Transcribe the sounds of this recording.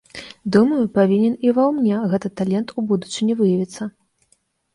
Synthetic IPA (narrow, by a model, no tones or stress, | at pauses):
d̪umɐjupavʲinʲɛnivɐwmnʲɛɣɛt̪ɨt̪alʲɛnt̪ubud̪ut͡ʂɨnʲɛvɨjɐvʲit̪sːɐ